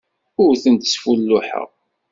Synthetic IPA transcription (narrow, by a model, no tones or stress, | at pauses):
ʊɾθənt̪ə̥sfulːʊħə̰ʁ